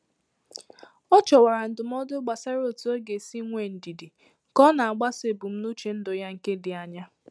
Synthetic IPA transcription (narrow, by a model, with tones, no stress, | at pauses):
ɔ˦t͡ʃɔ˨wa˨ɾa˨n̩˨dʊ˨m̩˦ɔ˦dʊ˦ɡ͡ba˨sa˦ɾo˦˨tu˨˦o˦ɡe˨si˦ŋʷe˨n̩˨di˨di˨ | kɔ˦na˨a˨ɡ͡ba˦se˨bʊ˨m̩˦nu˦t͡ʃe˨n̩˦dʊ˨ja˦ŋ̩˨ke˦dɪ˨a˨ɲa˦